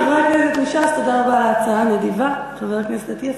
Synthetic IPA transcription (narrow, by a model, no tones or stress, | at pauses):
aveʁakneset̪ɡiʃazt̪od̪aʁabaːlaːt͡saanedivaχaveʁakneset̪at̪ia